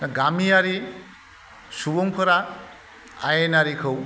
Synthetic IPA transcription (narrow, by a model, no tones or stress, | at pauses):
naɡamijaɾi | suboŋpʰɔɾa | a̰jenaɾikʰɯw